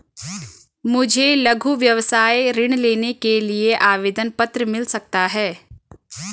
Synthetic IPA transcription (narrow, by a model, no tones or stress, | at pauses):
mʊd͡ʒʱelɐɡʱuʋjɐʋsaːjɾɪɽ̃leːnekelieʔaːʋeːd̪ənpɐt̪ɾəmɪlsɐk̚t̪aɦɛː